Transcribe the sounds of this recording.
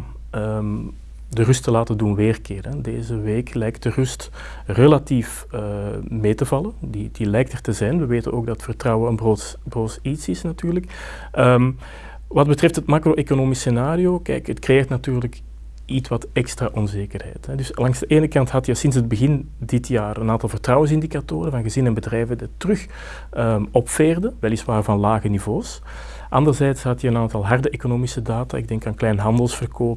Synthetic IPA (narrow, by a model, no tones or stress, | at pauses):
ə | dərʏstəlaːtəndunʋeːrkɪːrɛdeːzəʋeːklɛjk̚t̚dərʏst | relatif | əmeːtəvɑləndid̥ilɛjk̚tərtəzɛjnʋəʋeːtə̰noːɡ̚dɑtətfərtrɑwəənbro | broːsitsɪsnɑtyːrlək | əm | ʋɑd̚bətrɛftɦətmaːkroʔekonoːmisenaːɾioːkɛ̰jkətkrejeːrtnatyːrlək | itʋɑtɛkstraːʔɔnzeːkərɦɛ̰jtɦɛdʏslɑŋzdəʔeːnəkɑntɦɑtjəsɪnsɦəd̚bəɣɪn | dɪtʰjaːrənaːntɑlˠvərtrɑwəns̬ɪndikatoːɾənvɑnɣəzɪnəɛnbədrɛjvənditrʏx | əɔpfeːrdəʋɛlisʋaːrvɑnlaːɣənivoːs | ʔɑndərzɛːtsɦɑtjəənaːntɑlˠɦɑrdəʔekonoːmisədaːta̰ːɪɡ̚dɛŋkaːnklɛjnɦɑndəlˠsfərkoːp